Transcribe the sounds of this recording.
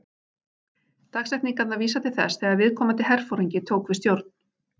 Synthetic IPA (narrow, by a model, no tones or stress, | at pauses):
t̪aksɛhk̪tniŋkat̪naviːsat̪ʰɪlθɛ̰sθɛːɣaðvɪðkʰɔːmant̪̬ɪɦɛr̥fowɾiɲcɪt̪ʰoːwkvɪst̪jowɾt̪n̥